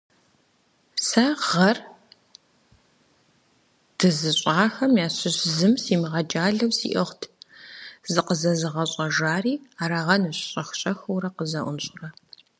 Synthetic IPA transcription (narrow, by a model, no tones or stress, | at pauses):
sɐʁɐr | d̥ɨzɨɕʼaːxɐmjaːɕɪɕzɨmsiːmiʁɐd͡ʒʼaːɮɐwsḭːʔɐχʷtʰ | zɨqəzɐzɨʁɐɕʼɐʒaːriːaːɾɐʁɐnɨɕʼɕʼɐxɕʼɐxɐwɾɐqəzɐʔʷʊnɕʼʊrɐ